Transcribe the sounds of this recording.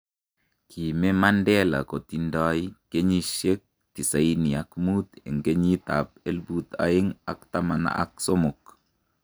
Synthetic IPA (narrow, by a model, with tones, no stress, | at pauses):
kʰi˨me˦ma˦ndɛ˦la̰˨ko˨t̪i˨ndɔ˦jke˦ɲi˦ʃe˦k̚ | t̪i˨sa˨i˦ni˨a˨kmut̪ḛ˨ŋɡe˦ɲi˦t̪a̰˨p̚e˦lbut̪a̰˦ɪ˦ŋa̰˨kt̪a˦ma˨na̰˨ʔa̰˦k̚so˦mʊ˨k